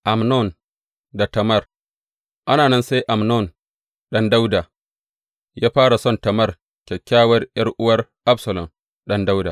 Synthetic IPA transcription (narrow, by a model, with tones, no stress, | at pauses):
ʔa˨mnɔ˦˨n | da˨tɐ˨mɐ˦r | ʔa˦naː˨nɐ˦nsa˦jʔa˨mnɔ˦˨n | ɗɐ˦nda˦wda˨ | jaː˦ɸaː˦ɽa˨sɔ˦˨ntɐ˨mɐ˦r | kʲɛ˨kʲːaː˦wɐ˦rjɐ˦rʔʊ˦wɐ˦rʔa˦bsɐ˨lɔ˨m | ɗɐ˦nda˦wdaː˨